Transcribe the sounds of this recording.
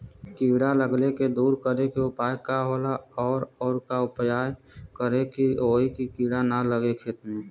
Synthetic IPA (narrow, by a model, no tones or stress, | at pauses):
kiɽaləɡleked̪uːɾkəɾekeʊpaːjkaɦoːlaɔːɾɔːɾkaʊpjaːj | kəɾekioːikikiɽanaləɡekʰeːt̪mẽ